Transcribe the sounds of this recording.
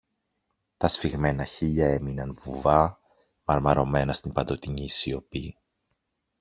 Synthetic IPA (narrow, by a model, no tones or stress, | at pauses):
t̪ɐsfiɣme̞nɐçiʎɐe̞minɐnvuvɐ | mɐɾmɐɾo̞me̞nɐst̪impɐnd̪o̞t̪iɲiːsio̞pi